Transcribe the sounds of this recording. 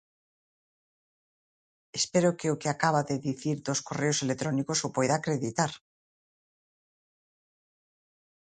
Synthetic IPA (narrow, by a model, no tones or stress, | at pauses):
espeɾokeokeakaβ̞aðeðiθiɾðoskoreoselet̪ɾɔnikosopojðaːkɾeðit̪aɾ